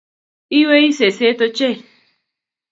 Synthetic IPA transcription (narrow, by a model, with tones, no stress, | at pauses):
i˦we˦i˦se˨se˦t̪o˧t͡ʃe˦